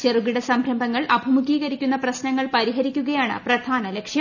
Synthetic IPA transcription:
t͡ɕeruɡiɽɐsɐmbʱɾɐmbʱɐŋːɐɭɐbʱɐmukiːɣɐɾikʲːunːɐprɐɕnɐŋːɐɭpɐɾiɦɐɾikʲːuɣɐjaːɳɨ̰prɐd̪ʱaːnɐlekʂjɐ

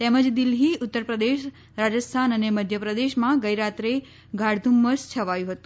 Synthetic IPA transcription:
t̪ɛməd͡ʒd̪ilɦiʊt̪ːəɾpɾəd̪eʃ | ɾad͡ʒəst̪ʰanəneməd̪ʱjəpɾəd̪eʃmãɡəjɾat̪ɾe | ɡʱaɽd̪ʱumːəst͡ʃʰəʋajũɦət̪ũ

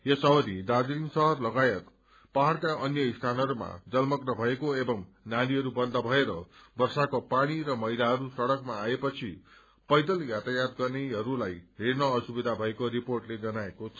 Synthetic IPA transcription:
jesʌɦʌɾid̪ad͡ziɾinsʌɦʌrlʌɡajʌt̪ | paɦarkaʌnjʌist̪ʰanʌɦʌɾuma̰d͡zʌlmʌknʌbʱʌekoebʌŋ | naliɦʌɾubʌnd̪ʱʌbʱʌeɾʌbʌrsakopaɽ̃iɾʌmʌɦilaɦʌɾusʌɽʌkmaːepʌt͡sʰi | pʌjd̪ʌljat̪ajat̪ɡʌrneɦʌɾulajɦeɾnʌːsubid̪ʱabʱʌekoɾiporʈled͡zʌnaekot͡sʰʌ

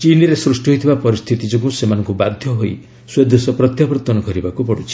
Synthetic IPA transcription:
t͡ʃiniɾesɾusʈuɦojt̪ʰibapɔɾist̪ʰit̪id͡ʒɔk̬usemanɔŋkubad̪ʱjɔɦoj | swed̪ʱesɔpɾɔt̪japɾɔt̪ɔnɔkɔɾibakupɔɽut͡ʃʰi̥

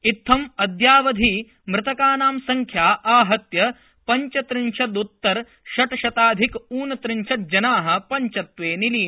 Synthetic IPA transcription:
it̪ʰːɐmɐd̪jaːʋɐd̪ʱi | mɾɪt̪ɐkaːnaːmsɐŋkʰjaːʔaːɦɐt̪jɐ | pɐɲt͡ʃɐt̪ɾɪnʃɐd̪ut̪ːɐɾ | ʃɐʈɐʃɐt̪aːd̪ʱikuːnɐt̪ɾɪnʃɐt̪̚d͡ʒɐnaːɦɐ̆pɐɲt͡ʃɐt̪ʋeːniliː

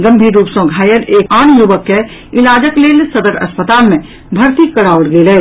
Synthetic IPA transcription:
ɡə̃mbʱiːɾːuːpsɔ̃ːɡʱaːjəleːkaːñjuʋəkːe | ɪlaːd͡ʒəkleːlsəd̪əɾɐ̰spət̪aːlmẽ | bʱɐɾt̪ikːɐɽaːʋɽɡeːle

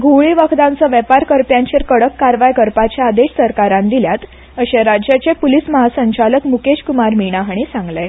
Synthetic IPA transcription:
ɡʱowɭiʋəkd̪ãnt͡səʋɛpaɾkəɾpjãɲt͡ɕeɾkəɽəkːaɾʋajɡəɾpat͡ɕjaːd̪eɕsəɾkaɾãnd̪iljat̪ | əɕeɾad͡ʑjat͡ɕepulisməɦasəɲt͡ɕaləkmukeɕkumaɾmiɳaɦɳ̃isãŋɡle

